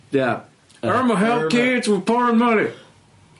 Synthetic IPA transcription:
jæ | ə˞məɦɛlˠθkɪdzwɨð̥pʰɔɹə̃nmʌni

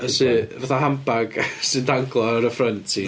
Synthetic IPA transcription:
əsɨvaθaɦampaɡ̥sɨdaŋɡlˠɔɾəfrəntʰi

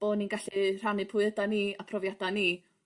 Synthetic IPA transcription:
b̥oːninɡaɬir̥anɨpʰʊɨðədaniapʰrɔvjadani

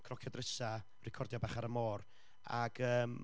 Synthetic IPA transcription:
kʰrɔkʰjɔdrəsa | rɪkʰɔrdjɔbaχaɾəmoːr | aɡ̥əːm

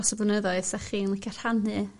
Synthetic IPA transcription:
ɔsɔblənəðɔɨðsaχiːnlɪkʰar̥hanɨ

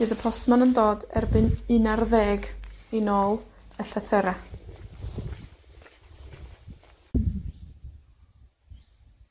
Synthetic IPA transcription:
ɨːðəpʰɔsmanəndoːdɛ̰rbɨnɨnarðɛːɡinoːlˠəɬaθəɾa

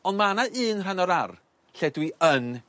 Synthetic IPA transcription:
ɔndmanaʔɨːnranɔɾar | ɬɛdwiən

